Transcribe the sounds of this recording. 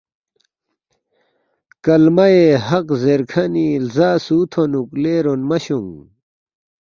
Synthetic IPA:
kɐlmɐjehɐqzeɾkʰɐnilzaːsuːt̪ʰonukleːɾonmɐɕuŋ

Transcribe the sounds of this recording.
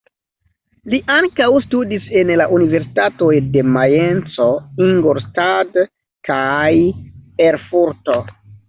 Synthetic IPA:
liʔaŋkawstudise̞nlaʔunive̞ɾsi̥tato̞jde̞majent͡so̞iŋɡoɾstad | kajeɾfuɾto̞

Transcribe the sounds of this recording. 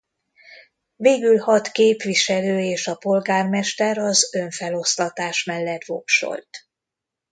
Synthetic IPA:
veːɡylhɒt̪keːpʋiʃɛløːeːʃɒpo̞lɡaːrmɛʃt̪ɛɾɒzø̞ɱfɛlo̞st̪ɒt̪aːʃmɛlːɛt̪vo̰pʃo̞̰lt̪

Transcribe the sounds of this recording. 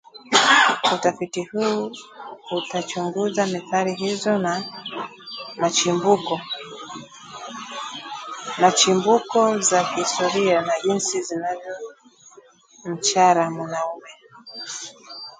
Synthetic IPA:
utafitihuː | utat͡ʃuŋɡuzamiθaɾiɦizɔna | mat͡ʃbu | nat͡ʃimbukɔzahhistɔɾianaʄinsizinavjɔ | m̩t͡ʃaɾamwanaumɛ

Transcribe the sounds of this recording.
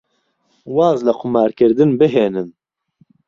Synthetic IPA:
waːzlaqʰʊmaːɾkʰɨɾd̪ɨnbɨɦeːnɨn

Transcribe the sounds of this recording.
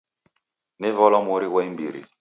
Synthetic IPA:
nivɔlɔmoɾiwɛimbiɾḭ

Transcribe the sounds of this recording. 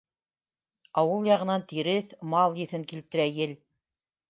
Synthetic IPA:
ɑwɤlˠjɑʁɤ̆nɑnt̪iɾɘθmɑlˠjɘ̆θɘŋkilt̪ɘ̆ɾæjɘl

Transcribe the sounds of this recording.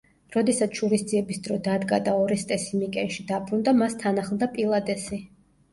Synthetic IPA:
ɾɔd̪ɛsat̪sʰʃuɾisd̪ziɛbisd̪ɾɔd̪ad̪ɡa̰d̪aɔɾɛst̪ʼɛsimikʼɛnʃid̪abɾund̪amast̪ʰanaχlˠd̪apʼilˠad̪ɛsi

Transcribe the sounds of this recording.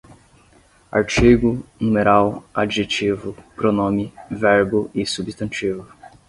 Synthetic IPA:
a̰ɾt͡ʃiɡʊnũmeɾawad͡ʒiʒet͡ʃivʊpɾonõmɪvɛɾbʊɪsubist̪ɐ̃nt͡ʃivʊ

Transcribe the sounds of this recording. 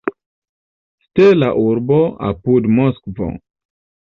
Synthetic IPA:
stelaʔuɾboa̰pudmoskvo̰

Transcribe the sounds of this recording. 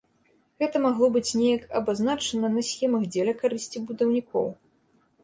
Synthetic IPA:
ɣɛt̪ɐmaɣlˠɔbɨt͡sʲnʲejɐkɐ̰baznat͡ʂɐnɐnɐsʲxʲɛmɐɣd͡zʲɛlʲɐkaɾɨsʲt͡sʲibud̪ɐwnʲikʰɔ̰w

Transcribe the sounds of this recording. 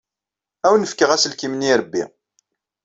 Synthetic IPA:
æwnːəfkəʁæsəlkimniɾəbːḭ

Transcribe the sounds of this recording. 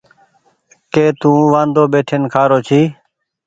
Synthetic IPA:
keːt̪ũːʋãːnd̪oːbeːʈʰeːnkʰaːɾoːt͡ʃʰiː

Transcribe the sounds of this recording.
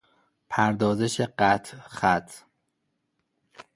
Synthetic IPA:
pʰæɾd̪ɒːzeʃeɢæt̪ʰxæt̪ʰ

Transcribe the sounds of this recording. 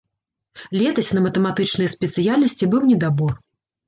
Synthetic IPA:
lʲɛt̪ɐsʲnɐmɐt̪ɛmat̪ɨt͡ʂnɨjɐspʲɛt̪sɨjalʲnɐsʲt͡sʲibɨwnʲɛd̪abɔr

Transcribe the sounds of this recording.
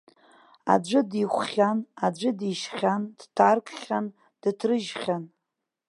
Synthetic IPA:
a̰d͡ʒʷɨdiχʷχʲanad͡ʒʷɨdiʃχʲand̥tʰarkʰʼχʲan | d̥tʰrɨʒχʲan

